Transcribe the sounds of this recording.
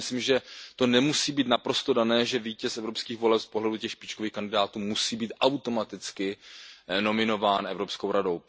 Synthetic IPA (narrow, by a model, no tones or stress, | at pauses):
ɪsliːmʒɛt̪o̞nɛmusiːbiːt̪napɾo̞st̪o̞danɛːʒɛviːcɛsʔɛvɾopskiːɣvo̞lɛpspo̞ɦlɛducɛxʃpɪt͡ʃkoviːxkandɪdaːt̪uːmusiːbiːt̪ʔawt̪o̞mat̪ɪt͡skɪ | no̞mɪno̞vaːnʔɛvɾo̞psko̞wɾadow